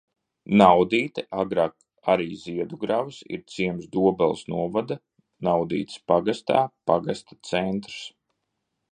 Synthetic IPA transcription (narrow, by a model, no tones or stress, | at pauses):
nawd̪iːt̪ɛʔaɡɾaːk | aɾiːziɛd̪uɡɾavɨsḭɾt̪siɛmzd̪uɔbɛlˠsnuɔvad̪a | nawd̪ḭːt̪spaɡast̪a̰ːpaɡast̪ḁt̪sɛnt̪ɾs